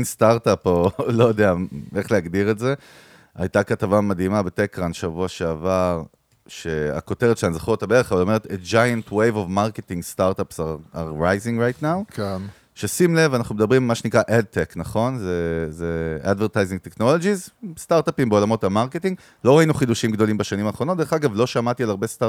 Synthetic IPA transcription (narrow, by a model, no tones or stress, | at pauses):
nst̪aʁt̪apolo̞jod̪eaeχleaɡdiʁetze̞ | a̰jtakatavamad̪imabetekʁanʃavuaʃeavaʁ | ʃea̰ko̞teʁetʃeanzaχuot̪abeeeχavalo̞me̞ʁet̪etd͡ʒajantwejvovmaʁketiŋɡst̪aʁt̪apsaaʁajziŋɡʁajtnawken | ʃesimle̞vanaχnumd̪ɐbʁimmaʃenikʁaʔed̪̚tʰeknaχo̞nzezead̪vet̪ajzĩŋɡ̚t̪ekno̞lo̞d͡ʒizst̪aʁt̪apimbeo̞lamo̞tamaʁketĩŋɡ | lo̞ʁainuχid̪uʃimɡd̪o̞limbaʃanimaːχʁnotd̪eχaɡavlo̞ʃamatialaʁbest̪a